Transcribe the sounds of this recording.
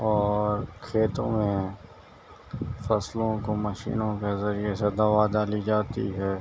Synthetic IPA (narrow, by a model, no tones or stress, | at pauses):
ɔːɾkʰeːt̪õ̰mẽ | fɐslõkoməʃḭːnõkezɐɾijesed̪aʋaːd̪aːlid͡ʒaːt̪ḭɦɛː